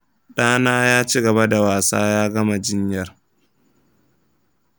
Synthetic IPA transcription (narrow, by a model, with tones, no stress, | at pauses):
ɗaː˦naː˦jaː˦t͡ʃi˦ɡɐ˨ba˦da˨waː˨saː˦jaː˦ɡɐ˦ma˨d͡ʒɪ˦ɲjɐ˦r